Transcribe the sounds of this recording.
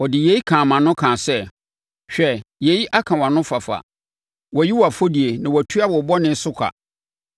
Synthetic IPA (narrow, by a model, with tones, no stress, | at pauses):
wɔ˨dɪ˨je˨˦ji˦kʰãː˨mã˨nʊ̃˦kʰãː˨sɛ˦˨ | ɕᶣɛ˨je˨ji˦ʔa˦kʰã˨wa˨nʊ̃˦fa˨fa̰˨ | wɔ˨ji˦wɔ˨a˨fo˦di˨e˨nã˨wɔ˨tʰu˦a˦wɔ˨bɔ˦nɪ̃˦sʊ˦kʷʰa̰˨